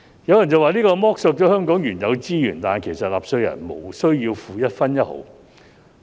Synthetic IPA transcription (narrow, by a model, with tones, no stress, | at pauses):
jɐ˨˧wjɐ˨˩nt͡sɐ˨waː˨˧liː˥kɔː˧mɔː˥k̚so˧k̚t͡ʃɔː˨˥hœː˥ŋkɔː˨˥ŋjyː˨˩njɐ˨˧wt͡siː˥jyː˨˩nt̪aː˨kʰe˨˩jsɐ˨t̚laː˨psɵ˧ɥjɐ̰˨˩nmo̰˨˩wsɵ˥ɥjiː˧wfuː˨jɐ˥t̚fɐ˥njɐ˥t̚ho̰˨˥w